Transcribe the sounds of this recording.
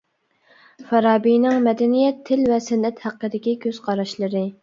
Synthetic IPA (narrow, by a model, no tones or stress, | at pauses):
fɛɾɑːbijnɪŋmɛd̪ɛnijɛt̪ʰːɪlvɛsɪnːɛt̪hæqːəd̪ɪkʲikʲʰøz̥qʰɑɾɑʃlˠɨɾɨ